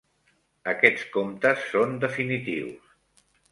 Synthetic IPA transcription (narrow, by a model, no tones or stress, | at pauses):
əkɛt͡skomt̪əsːond̪əfinit̪ḭws